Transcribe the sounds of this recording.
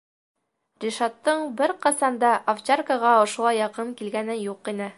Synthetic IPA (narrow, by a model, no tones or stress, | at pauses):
rʲiʃat̪ːɤɴbɘɾqɑsɑnd̪ɑʔɐft͡ɕarkəʁɑŏʃŏlˠɑjːɑqɤmkilɡænɘjuqinɘ